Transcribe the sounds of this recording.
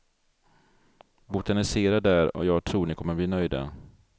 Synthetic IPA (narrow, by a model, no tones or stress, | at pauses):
bʊt̪anɪseːɾad̪æɾɔ̰jɑːɡ̚t̪ʰɾuːɳɪkʰɔmːəbliːnœjd̪a̰